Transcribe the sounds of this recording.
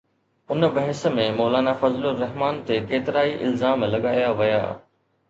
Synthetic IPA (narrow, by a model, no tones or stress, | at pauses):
ʊnbɐɦɪsə̆mẽmɔːlaːnafɐzlʊɾɐɦmaːnt̪ekeːt̪ɪɾaːiʔɪ̰lzaːmlɐɠaːjaʋɐja̰ː